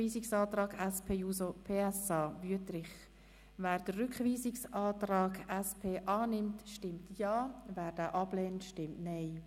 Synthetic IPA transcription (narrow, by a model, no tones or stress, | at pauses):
iːsɪksɑːtɾɑːɡɛspʰeːjuːsopʰeːɛsɑːvyətɾɪχ | væːɾd̥ərʏkχviːsɪksɑːtrɑːɡɛspʰeːʔɑːnɪmtʃtɪmtʰjɑːvæːɾd̥aːʔɑb̥leːntʃtɪmtnɛɪ